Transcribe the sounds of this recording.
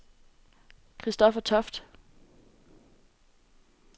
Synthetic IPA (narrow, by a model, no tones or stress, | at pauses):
kʰʁisd̥ɒ̽fɐt͡sʰɒfd̥